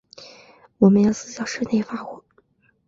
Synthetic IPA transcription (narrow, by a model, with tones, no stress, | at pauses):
wɔ˨˩mə˧˦jɑ˥˧ʊt͡sɹ̩˥˧˩jɑ˥˧ʊʂɻ̩˥ne˥˩˧fa˥xwɔ˧˥˩